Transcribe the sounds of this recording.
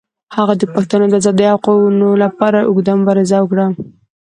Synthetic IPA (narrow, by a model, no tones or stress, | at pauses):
haɣad̪əpaxt̪anod̪əazɑd̪iawqonolapɑɾaʔʊɡd̪amʊbɑɾazawəkɽa